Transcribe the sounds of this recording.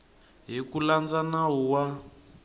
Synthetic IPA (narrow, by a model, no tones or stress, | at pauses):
ɦikuland͡zanaɦuwa